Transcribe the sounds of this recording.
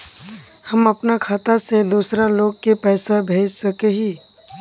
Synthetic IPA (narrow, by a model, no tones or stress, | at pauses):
hɐmɐpnakʰaːt̪ased̪uːsɾaloːɡ̚kepɛːsabʱeːd͡ʒsɐkeɦiː